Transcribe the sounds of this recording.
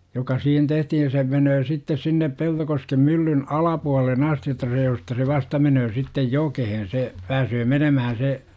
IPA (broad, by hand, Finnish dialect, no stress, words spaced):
jokɑ siːhen tehtihin̞ se menøː sitːes sinːep peltokoskem mylːyn ɑlɑpuɑlelˑen ɑsti jotːɑ seː jostɑ se ʋɑstɑ menøː sitːej jokehen se pæːsøː menømæhæn̞ se